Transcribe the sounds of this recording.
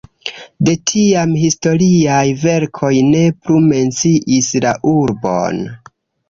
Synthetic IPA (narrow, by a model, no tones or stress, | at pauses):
de̞tʰiamhisto̞ɾiajve̞ɾkʰo̞jne̞plume̞nt͡siʔislaʔuɾbo̞̰n